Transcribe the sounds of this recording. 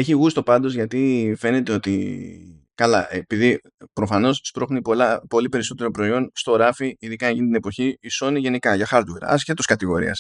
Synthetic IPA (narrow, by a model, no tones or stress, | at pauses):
e̞çiɣust̪o̞pɐnd̪o̞zʝɐt̪ife̞ne̞t̪e̞o̞t̪ḭ | kɐlɐ̰ʔepiði | pɾo̞fɐno̞sspɾo̞xnipolɐpo̞lipe̞ɾiso̞t̪e̞ɾo̞pɾo̞io̞nst̪o̞ɾɐfiiðikɐeʝinit̪ine̞po̞çiiso̞niʝe̞nikɐʝɐxɐɾt̪weɾɐ̰sçet̪oskɐt̪iɣo̞ɾḭɐ̰s